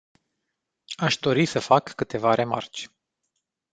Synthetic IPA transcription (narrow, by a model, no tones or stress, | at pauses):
aʃd̪o̞ɾisəfakːɨt̪e̞vaɾʔe̞ma̰rt͡ʃʲ